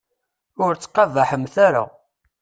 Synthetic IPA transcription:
ʊɾt͡sːqːɑvaħəmθaɾa̰

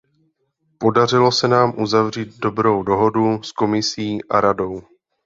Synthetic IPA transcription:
po̞dar̝ɪlo̞sɛnaːmʔuzavr̝iːd̪̚do̞bɾo̞wdo̞ɦo̞dusko̞mɪsiːʔaɾado̞w

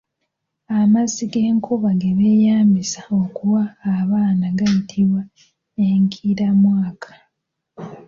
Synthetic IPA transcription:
amaziɡe̞ːŋkʰuβaɡeβeːjaːmbisao̞kuwaːβaːnaɡajitʰiβwa | eŋkʰiɾamwaːkʰḁ

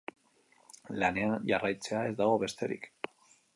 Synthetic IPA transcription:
lane̞anʝarajt͡se̞ae̞zd̪aɣ̞o̞βe̞st̪e̞ɾḭk

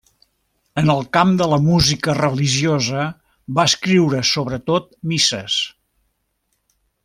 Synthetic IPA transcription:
ənəlˠkamd̪ələmuzikərəliʒiozə | baəskɾiwɾəsoβɾət̪ot̪̚misəs

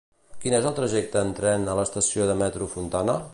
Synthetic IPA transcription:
kinezəlˠt̪ɾəʒɛk̚t̪əːnt̪ɾɛnələst̪əsioðəmɛt̪ɾufunt̪anə

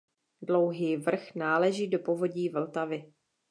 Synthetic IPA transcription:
dlo̞wɦiːvr̩xnaːlɛʒiːdo̞po̞vo̞ɟiːvl̩t̪avɪ

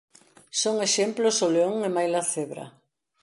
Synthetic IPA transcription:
soŋeʃemplʊsoleoŋemajlaθeβɾɐ̰

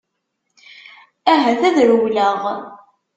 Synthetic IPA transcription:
æɦæθæðɾuwləʁ

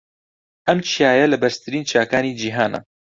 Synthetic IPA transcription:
ʔɐmt͡ʃʰijaːjɛlɨbɛɾst̪ʰɨɾiːnt͡ʃʰaːkaːniːd͡ʒiːɦaːnɐ̰

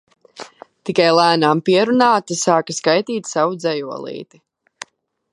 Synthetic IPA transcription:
t̪ikajlˠæːnaːmpiɛɾunaːt̪asaːkaskajt̪iːt̪ʲsawud̪zɛjuɔlˠḭːt̪i

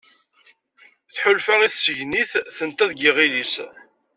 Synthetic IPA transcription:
θħʊlfæiθsəʝniθθənt̪æðɡiʁilis

